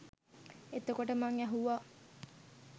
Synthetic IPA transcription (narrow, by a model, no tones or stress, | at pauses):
et̪okoʈəmaŋæɦuʋa